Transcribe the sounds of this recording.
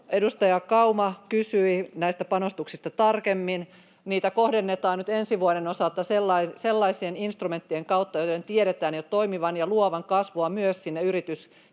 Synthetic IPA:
edust̪ɑjɑkɑumɑkysyinæist̪æpɑnost̪uksist̪ɑt̪ɑrkemːin | niːt̪ækohdenːet̪ɑːnnyt̪ensiʋuoɾenosɑlt̪ɑselːɑiselːɑisieninst̪rume̞nt̪ːieŋkɑut̪ːɑjoident̪ieɾet̪æːnjott̪oimiʋɑnjɑluoʋɑŋkɑsʋoɑmyøssinːeyɾit̪ys

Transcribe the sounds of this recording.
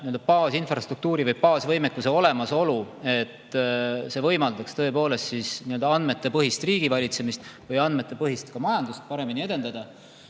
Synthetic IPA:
niø̞ld̪̥ɑpɑːsinfrɑst̪ruk̚t̪uːɾivɤjpɑːsvɤjmekːuse̞o̞le̞mɑso̞lue̞t̪ːse̞vɤ̞jmɑld̪ɑkst̪ɤ̞e̞po̞ːle̞st̪sisniø̞ld̪ɑɑnd̪me̞t̪ːˑe̞pɤɦist̪riːɡ̥ivɑlʲit̪se̞mist̪vɤjɑnd̪̥met̪ːˑe̞pɤɦist̪kɑmɑjɑnd̪ust̪̚pɑɾe̞minie̞d̪e̞nd̪ɑd̪̥ɑ

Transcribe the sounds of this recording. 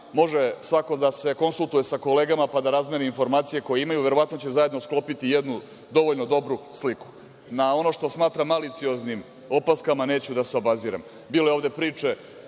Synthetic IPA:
mo̞ʒesʋako̞d̪ase̞ko̞nsulˠt̪uje̞sako̞le̞ːɡamapad̪aɾazme̞niinfo̞ɾmaːt̪sije̞ko̞jeimajuʋe̞ɾo̞ʋat̪no̞t͡ɕe̞zaje̞d̪no̞sklˠo̞pit̪ijed̪nu | d̪o̞ʋoʎno̞d̪o̞bɾusliku̥ | nao̞no̞ʃt̪o̞smaːt̪ɾamːalit̪sio̞znim | o̞paskamane̞ːt͡ɕud̪aseobaziːɾa̰m | biːlo̞jovd̪e̞pɾiːt͡ʂe̞

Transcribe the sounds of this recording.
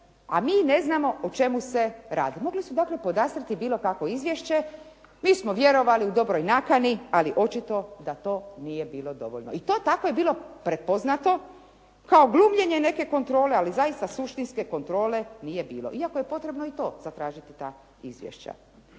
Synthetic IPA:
a̰miːne̞znamo̞ot͡ʃe̞muse̞ɾa̰ːd̪imo̞ɡlisud̪aːkle̞po̞d̪aːst̪ɾit̪ibiːlo̞kako̞izʋjeʃt͡ɕe̞ | miːsmoʋje̞ɾo̞ʋaliud̪o̞bɾojnakanialiʔo̞t͡ʃit̪o̞d̪at̪o̞ːnije̞biːlo̞d̪o̞̰ʋo̰ʎno̰it̪ot̪ako̞je̞biːlo̞pɾet̪̚po̞znat̪o̞ | kaoɡlˠumʎe̞ɲene̞ke̞ko̞nt̪ɾo̞ːle̞alizajist̪asuʃt̪inske̞ko̞nt̪ɾo̞ːle̞nije̞biːlo̰ʔiakoje̞po̞t̪ɾebnoit̪o̞ːz̥at̪ɾaːʒit̪it̪a̰ː | izʋjḛʃt͡ɕa̰

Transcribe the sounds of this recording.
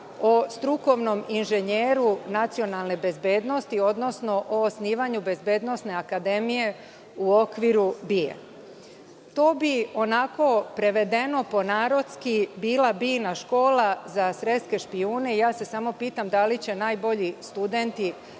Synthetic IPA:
o̞st̪ɾuko̞ʋno̞minʒeɲeːɾunat̪sio̞nalˠne̞be̞zbe̞ːd̪no̞st̪io̞d̪no̞sno̞ʔoːsniːʋaɲube̞zbe̞ːd̪no̞sne̞akad̪e̞mije̞ | uo̞kʋiɾubiḛ | t̪o̞ːbio̞nako̞pɾe̞ʋe̞d̪e̞no̞po̞naːɾo̞t̪skibiːlabinaʃko̞ːlazasɾeske̞ʃpiuːne̞ijaːse̞samo̞piːt̪amd̪alit͡ɕe̞najbo̞ʎist̪ud̪e̞nt̪i

